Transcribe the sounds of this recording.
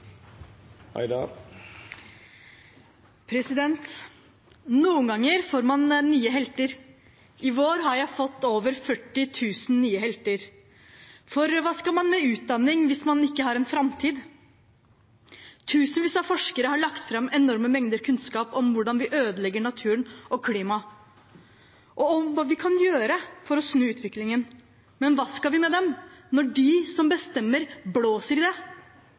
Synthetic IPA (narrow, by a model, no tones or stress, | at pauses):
ɪd̪ | pʰɾɛsɪd̪ɛnt̪ | nuːəŋɡɑŋːəɾfoːɾmɑnːyːəɦɛlt̪əɾ | ʔɪʋoːɾɦɑɾjæɪfɔt̪ːoːʋəɾfœʈːɪt̪ʰʉːsn̩nyːəhɛlt̪əɾ | fɔɾʋɑːskɑlmɑnmɛʉːt̪̚d̪ɑnːɪŋʋɪsmɑnɪkːəɦɑːɾɛnfɾɑmt̪ʰiːd̪ | t̪ʰʉːsənʋiːsɑfɔʂkəɾəɦɑɭɑkt̪fɾɑmɛnɔɾməmɛŋd̪əɾkʰʉnskɑːpɔmʋʊɖɑnʋɪʔøːd̪əlɛɡːəɳɑt̪ʰʉːɾənɔkʰliːmɑ | ʔɔɔmʋɑːʋɪkʰɑnjøːɾəfɔɾɔsnʉːʉːt̪ʰʋɪklɪŋən | mɛnʋɑːskɑlʋɪmɛd̪ɛmnɔɖɪsɔmbəst̪ɛmːəɾbloːsəɾɪd̪ɛ